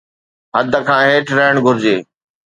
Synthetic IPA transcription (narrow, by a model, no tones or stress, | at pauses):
ɦəd̪əkʰãːɦeːʈɾəɦəɽ̃ɡʱʊɾɪd͡ʑeː